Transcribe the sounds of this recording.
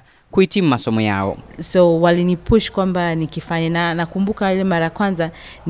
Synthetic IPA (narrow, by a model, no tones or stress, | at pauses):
kuhitim̩umasɔmɔja̰ɔ̰sɔwalinipuʃkwambanikifaɲananakumbukailɛmaɾajakwanza | n